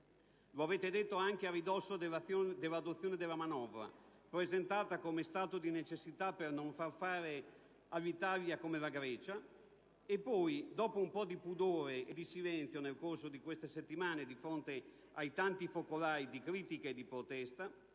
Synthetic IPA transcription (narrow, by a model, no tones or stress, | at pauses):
loaveːt̪ed̪et̪ːoaŋk̟earːid̪ɔsːod̪eajod̪elːad̪ot̪sːjoːned̪elːamanɔvɾa̰ | pɾezent̪aːt̪akomest̪aːt̪od̪inet͡ʃesːit̪apernoɱfarfaːɾe | alːit̪aljakomelaɡɾɛːt͡ʃa | epːɔjd̪ɔːpoumpɔd̪ipud̪oːɾeʔed̪isilɛnt̪θjonelkorsod̪ikwest̪eset̪ːimaːned̪ifɾont̪e | ajt̪ant̪ifokolaːid̪ikɾiːt̪ikaed̪ipɾot̪ɛst̪a